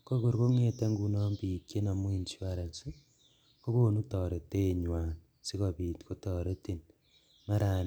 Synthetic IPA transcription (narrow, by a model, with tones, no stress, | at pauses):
ko˦ko˨ɾko˦ŋe˦te˦ŋɡu˦nɔ˦mbi˨kje˦na˨mwi˦nt͡ʃi˦wa˦ɾe˨nsi˦ | ko˦ko˦nu˦tɔ˨ɾe˨te˦˨ɲwaː˨n | si˦ko˨pi˨tko˦tɔ˨ɾe˦ti˨n | ma˦ɾa˨n